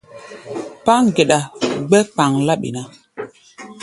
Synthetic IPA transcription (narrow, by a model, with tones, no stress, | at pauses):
pa˦ŋ˨ɡe˨ɗa˨ɡ͡bɛ˦k͡pa˨ŋla˦ɓḭ˨na˨